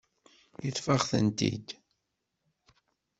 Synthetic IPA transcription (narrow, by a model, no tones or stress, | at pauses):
jəθfaʁθə̰nt̪ḭd̪